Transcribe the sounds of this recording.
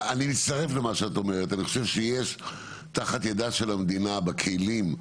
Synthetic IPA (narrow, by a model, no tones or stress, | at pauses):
animit̪st̪aʁe̞flemaʃeato̞meʁet̪aniχoʃevʃejeʃ | taχat̪jedaʃelamd̪inabekʰelim